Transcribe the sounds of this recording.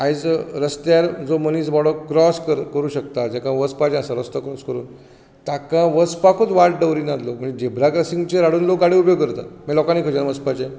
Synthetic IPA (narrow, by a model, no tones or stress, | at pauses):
ajd͡zɾəst̪aɾd͡zoməniːsbɔɽəkɾɔskəɾkəɾuːɕək̚t̪ad͡ʑakãʋəspat͡ɕẽasãɾəst̪əkɾɔskəɾṵːn | t̪akãʋəspakʰot͡s̪ʋaʈɖəwɾiːnat̪lokməɳd͡zed͡ʑebɾakɾasiŋɡt͡ɕeɾaɽuːnlokɡaɽiupjoɡkəɾt̪a̰t̪mɛlɔkãniːkʰəd͡ʑanʋəspat͡ɕẽ